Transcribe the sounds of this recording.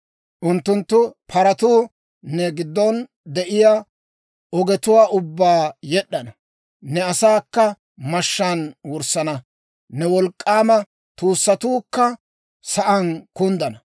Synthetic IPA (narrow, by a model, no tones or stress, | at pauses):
ʔʊnt̪ːʊnt̪ːʊpʰɐɾɐt̪uː | nɛɡɪd̪ːɔn | d̪ɛʔɪja | ʔɔɡɛt̪ʊwaːʔʊbːaːjɛɗːɐnɐ | nɛɐsaːkːɐ | mɐʃːaːnwɔɾsːɐnɐ | nɛwɔlkʼːaːmɐ | t̪uːsːɐt̪uːkːɐ | sɐʔɐnkʊnd̪ɐnɐ